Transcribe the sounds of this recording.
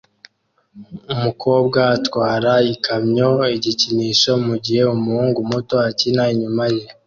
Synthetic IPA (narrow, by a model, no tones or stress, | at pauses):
umukʰo̞ːbɡaːtwaːɾaikamɲo̞iɟiciniːʃo̞muɟihe̞umuhuːŋɡumuto̞acinaiɲumaʒe